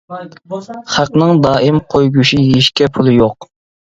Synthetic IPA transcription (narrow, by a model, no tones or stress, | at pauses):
χæqnɨŋd̪ɑːʔɪmqʰojɡuʃijeʃkʲɛpʰulˠɨjoq